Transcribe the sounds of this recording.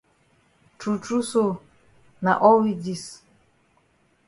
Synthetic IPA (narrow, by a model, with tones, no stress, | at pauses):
tu˨tu˦so˦ | na̰˨ʔɔ˦wi˦d͡ʒi˦s